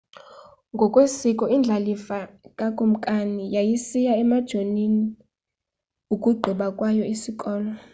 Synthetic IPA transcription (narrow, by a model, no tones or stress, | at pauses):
ŋɡʱɔkʼwesikʼɔind͡ɮʱalifakʼakʼum̩kʼanijajisijaɛmad̥ʒ̥ʱonini | ukʼuɡ͡ǃʱɔɓakʼwajɔisikʼɔːla